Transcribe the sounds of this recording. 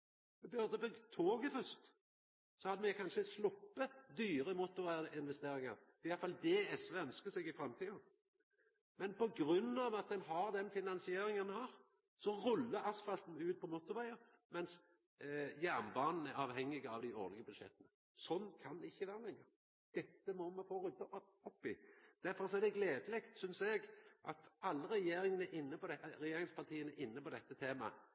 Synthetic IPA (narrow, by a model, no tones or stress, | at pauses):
mɛbœʁd̪əbʏɡt̪ʰoːɡəfʉst̪ | sɔhɑd̪əmɛkʰɑnʃəslʊpːəd̪yːʁəmʊt̪ːʊʁæɾɪnʋɛst̪eːɾɪŋɑɾ̥ɛːɪjɑlfɑld̪ɛɛsʋɛœnskəsɛɡɪfɾɑmt̪ʰiː | mɛnpɔɡɾʉnːɑʋɑt̪̚d̪ɛnɦɑʁd̪ɛnfɪnɑnsɪeːɾɪŋənhɑːɾ | sɔʁʉlːəɾɑsfɑlt̪n̩ʉːt̪̚pʰɔmʊt̪ːʊʁæɪəɾ | mɛns | jæʁnbɑːnn̩æɾɑːʋhɛŋːɪɡəɑʋd̪æɪo̰ːʁlɪɡəbʉd̪ʃɛ̰t̪ːənə | sɔnːkʰɑnd̪ɪçːəʋæʁəlɛŋːə | d̪̥ɛt̪ːəmɔmɛfoːʁʉd̪ə | ɔpːɪd̪̥æɾfɔɾsɔɛɾd̪ɛɡleːd̪əlɪkt̪sʏnsɛɡʔɑt̪ɑlːəɾɛjeːɾɪŋənæɾʔɪnːəpɔd̪ɛɾɛjeːɾɪŋspʰɑʁt̪ʰiːənæʔɪnːəpɔd̪ɛt̪ːət̪ʰeːmɑ̰